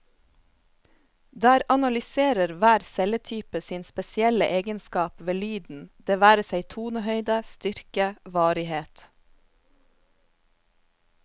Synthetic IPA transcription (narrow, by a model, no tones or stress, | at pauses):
d̪æːɾɑnɑlʏseːɾəɾʋæːɾsɛlət̪ʰyːpəsiːnspɛsɪɛləʔeːɡənskɑːpʋeːlyːd̪n̩d̪̥eːʋæːɾəsæɪt̪ʰuːnəhœʏd̪əst̪ʏɾkəʋɑːɾɪheːt̪